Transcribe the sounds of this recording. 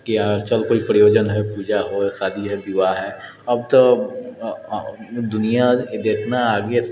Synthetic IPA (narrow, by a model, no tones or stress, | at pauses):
kiat͡ʃəlkoipɾɪjoːd͡ʒənɦɛpuːd͡ʒaɦosaːd̪ʱid͡ʒoɦɛb̪uaɦɛ | əb̚t̪o | d̪ʊnijad̪eːk̪ʰnaːɡe